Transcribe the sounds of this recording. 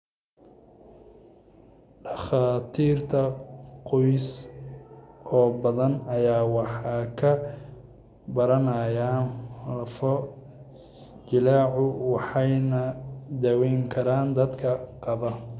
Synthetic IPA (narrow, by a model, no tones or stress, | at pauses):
ɖɑχaːt̪ʰiːrt̪ʰɐqɔjs | ɔːbɐðɐnɐjaːwɑħɑːkʰɐ | bɐɾɐnɐjaːnlɐfɔ | d͡ʒɪlaːʕʊwɑħɑjnɐd̪ɐwɛjŋkʰɐɾaːnd̪ɐd̪kʰɐqɑβɐ